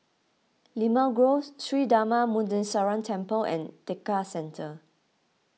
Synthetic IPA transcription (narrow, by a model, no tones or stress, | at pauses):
limaɡɹotʰɹidamamũndə̃nsaɹãntʰɛ̃mpəlɛ̰̃ntekasɛ̃ntʰə